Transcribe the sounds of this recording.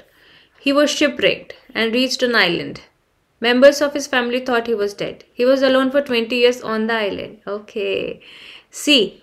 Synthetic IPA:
hiːʋɔz̥ʃɪpɾḛːk̚ʈɛ̃ɳɖɾiːt͡ʃʈə̃naɪlə̰̃ɳɖ | mɛ̃mbəɾzɔʋhɪzfæmɪlit̪ʰɔːʈhiːʋɔzɖḛɖhiːʋɔzəlõːnfɔɾʈwɛ̃ɳʈijiəɾzɔ̃nd̪əaɪlə̰̃ɳɖoːkʰe | siː

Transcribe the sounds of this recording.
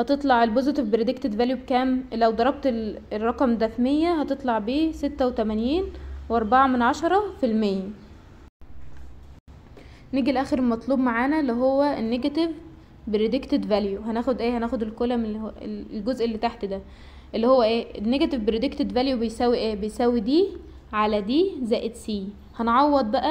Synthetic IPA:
hɑt̪et̪ˤlɑʕelbozet̪evbeɾed̪ekt̪ed̪væljubekæːmlæwd̪ˤɑɾˤɑb̚t̪eerˤːɑqɑmd̪æfmejːæhɑt̪et̪ˤlɑʕbiːset̪ːæwet̪æmænjiːnweʔɑɾˤbɑʕɑmenʕɑʃɑɾˤɑfilmejːæ | neɡilʔæːxeɾelmɑt̪ˤluːbmaʕaːnælːiɦowːæʔenːeɡæt̪ev | beɾed̪ekt̪ed̪væljuɦænæːxod̪ʔeːhænæːxod̪elkolæmelɡozʔelːit̪aħt̪d̪æ | ʔelːihowːæʔæːenːeɡæt̪evbeɾed̪ekt̪ed̪væljubejsæwːiʔeːbejsæwːid̪iː | ʕalæd̪iːzæːʔet̪siː | hænʕɑwːɑd̪ˤbæʔæ

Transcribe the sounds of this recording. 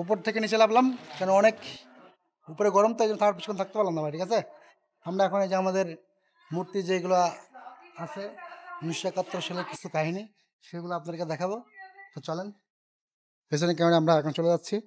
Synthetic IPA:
up̬oɾt̪ʰekenit͡ɕelablamkɛnoɔnek | upoɾeɡɔɾomt̪ad͡ʑɛnt̪ʰakːɾpiikɔnt̪ʰak̚t̪epaɾlːand̪abajʈʰikat͡ɕʰe | hamɾaɛkʰoned͡ʑamad̪eɾ | muɾt̪id͡ʑejɡuloa | asʰemanuʃjakat̪ːɾoʃeleɾkit͡ɕʰukaɦini | ʃeɡulaapnaɾked̪ɛkʰabot̪ot͡ɕalen | es̬onek̬ɛmoneamɾaɛkʰɔnt͡ɕoled͡ʑatːɕʰi

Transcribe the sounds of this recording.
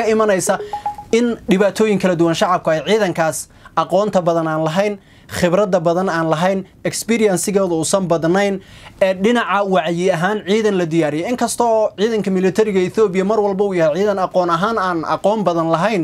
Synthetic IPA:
ɐɪmɐnɛjsɐɪnɖɪβaːt̪ʰɔːjɪŋkʰɐlɐd̪ʊwɐnʃɑʕɑb̚kʰʊɛjʕiːðɐŋkʰaːs | ɑqɔːnt̪ʰɐbɐðɐnaːnlɐɦɛjn | χɪbɾɐd̪ɐbɐðɐnaːnlɐɦɛjn | ɛkspiːɾɪjɐnsɪɣɛːðʊʊsɐmbɐd̪nɛjnɛːɖɪnɑʕɑwɑʕjɪɐɦaːnʕiːðɐnlɐd̪ɪjaːɾɪjɛɪŋkʰɐst̪ʰɔːʕiːðɐŋkʰɐmɪlɪt̪ʰɐɾɪɣɐɪθɔːbɪjɐmɐrwɐlbɐʊjɐhɛjʕiːðɐnɑqɔːnɐɦaːnaːnɑ̰qɔːmbɐðɐnlɐɦɛjn

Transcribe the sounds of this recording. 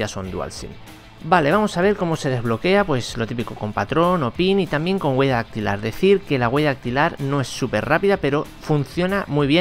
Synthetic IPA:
aso̞nd̪ua̰lsḭn | bale̞βamo̞saβ̞e̞ɾko̞mo̞se̞ð̞e̞zβ̞lo̞ke̞apwe̞slo̞t̪ipiko̞ko̞mpat̪ɾo̞no̞pinit̪ambje̞ŋko̞ŋɡwe̞ʝaðak̚t̪ila̰ɾðe̞θiɾke̞laɣweʝaak̚t̪ilaɾno̞e̞sːupe̞̰ɾrapiðape̞ɾo̞fun̟θjo̞namuijβ̞je

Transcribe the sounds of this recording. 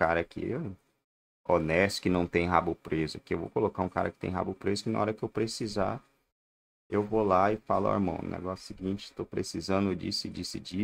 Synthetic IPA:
kaɾɐkʰɪ̰ | onɛst̪ʊ̥kɪnɐ̃w̃t̪ẽj̃ɦabʊpɾezʊkɪewvo̰kolokaũka̰ɾɐ̰kɪ̥t̪ẽj̃ɦa̰bupɾezʊkɪnɐ̰ɔɾɐkɪewpɾesiza | ewvolaɪfala̰ḭɾmɐ̰̃w̃ʊ̰nɛ̰ɡɔsʊ̥siɡĩnt͡ʃɪet̪opɾesizɐ̃nd̪ʊed͡ʒisɪd͡ʒisɪd͡ʒi

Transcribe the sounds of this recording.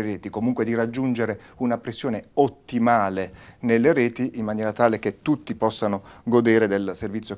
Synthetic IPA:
eɾɛːt̪ikomuŋkwed̪irad͡ʒːund͡ʒeɾeunapɾesːjoːneot̪ːimaːlenelːeɾɛːt̪iʔimːanjɛːɾat̪aːlek̟et̪ːut̪ːipɔsːanoɡod̪eːɾed̪elservit̪sjo

